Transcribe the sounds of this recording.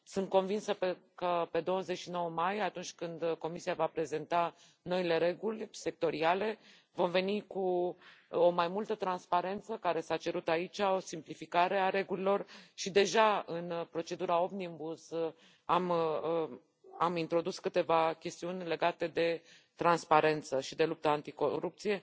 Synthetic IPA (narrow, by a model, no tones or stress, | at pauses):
sɨnt̪̚ko̞nvinsəpekəpe̞d̪o̞wəze̞t͡ʃʃino̞wəmajat̪unt͡ʃʲkɨnd̪ko̞misiavapɾe̞ze̞nt̪a | no̞ile̞ɾe̞ɡulʲse̞k̚t̪o̞ɾiale̞ | vo̞mve̞niku | o̞majmult̪ət̪ɾanspaɾe̞nt̪səkaɾe̞sat͡ʃe̞ɾut̪ait͡ʃʲao̞simplifikaɾe̞aɾe̞ɡulilo̞rʃid̪e̞ʒaɨnpɾo̞t͡ʃe̞d̪uɾao̞bnimbus | amə | amint̪ɾo̞d̪uskɨt̪e̞vakʲe̞st̪iunʲle̞ɡat̪e̞d̪e̞ | t̪ɾanspaɾe̞nt̪səʃid̪e̞lup̚t̪əant̪ikoɾup̚t̪sije̞